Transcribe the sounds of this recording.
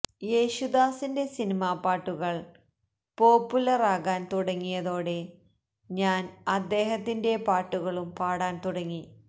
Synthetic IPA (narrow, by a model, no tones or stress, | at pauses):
jeːɕud̪aːsinde̞sinimaːpaːʈːuɣɐɭ | po̞ːpːulɐraːɣaːnt̪uɽɐŋːijɐðo̞ːɽe̞ | ɲaːnɐd̪ːe̞ːɦɐt̪ːinde̞paːʈːuɣɐɭumpaːɽaːnt̪uɽɐŋːi